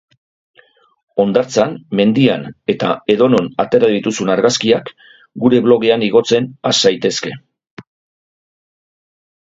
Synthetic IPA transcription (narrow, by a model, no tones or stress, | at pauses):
o̞nd̪aɾt͡sanme̞nd̪iane̞t̪a̰e̞ðo̞no̞nat̪e̞ɾaðit̪usunaɾɣaskiak | ɡuɾe̞βlo̞ɣeaniɣ̞o̞t͡se̞nasajt̪e̞ske̞